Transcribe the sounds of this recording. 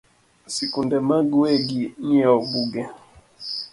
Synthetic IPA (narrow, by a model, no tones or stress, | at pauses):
sikundɛmaɡuwɛɡiɲiauɓuɡɛ